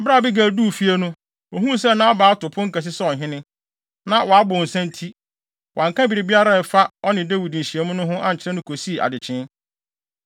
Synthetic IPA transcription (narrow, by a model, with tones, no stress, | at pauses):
bɾa˦˨bi˦ɡæ˨duː˦˨fi˦e˦nʊ̃˦ | o˨ɦũ˦s̬ɛ˦˨nã˦a˦baː˨˦tʊ˨pʰʊ̃˦ŋ̩˦ka˨s̬ɪ˦sɔ˨ɦɪ̃˦nɪ̃˦ | nã˦wa˨a˦bʊ̃˨n̩˨sɛ̃˦n˦tʰi˦ | wʔã˨ŋ˨kʰã˦bi˨ɾɪ˨bi˦a˦ɾa˨ɛ˨fa˦ɔ˦nɪ̃˨de˦wi˨dn̩˨ɕi˨e˦mʊ̃˦nʊ̃˦ɦʊ̃˦ʔa˨ɲ̩˨t͡ɕʰɪ˦ɾɛ˦nʊ̃˦kʰo˨si˦˨ʔa̰˨dɪ˨t͡ɕʰɪ̃˦n